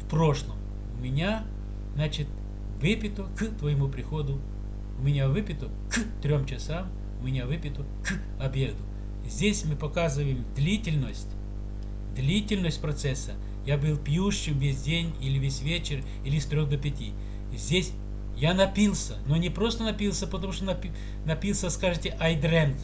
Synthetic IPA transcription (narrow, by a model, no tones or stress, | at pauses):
fpɾo̞ʂlˠəm | ʊmʲɪnʲa | znat͡ɕɪt̪ | vɨpʲɪt̪ʊkt̪vəjɪmupɾʲɪxod̪ʊ | ʊmʲɪnʲavɨpʲɪt̪ʊ | kt̪ɾʲomt͡ɕɪsam | ʊmʲɪnʲavɨpʲɪt̪ʊ | k | ɐbʲe̞d̪ʊ | zʲdʲesʲmɨpɐkazɨvəjɪmd̪lʲitʲɪlʲnəsʲtʲ | d̪lʲitʲɪlʲnəsʲtʲpɾɐt̪sɛsːə | jabɨlˠpʲjuɕːɪmvʲesʲdʲenʲilʲɪvʲesʲvʲet͡ɕɪr | ilʲɪst̪ɾʲold̪əpʲɪtʲi | zʲdʲesʲ | janɐpʲilˠsʲənonʲɪpɾost̪ənɐpʲilˠsʲəpət̪ɐmuʂt̪onɐpʲ | nɐpʲilˠsʲəskaʐɨtʲɪʔɐjd̪ɾɛnt̪